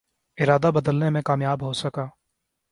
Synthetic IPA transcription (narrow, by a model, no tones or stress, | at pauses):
ɪɾaːd̪abɐd̪əlnemẽkaːmjaːbɦosɐkaː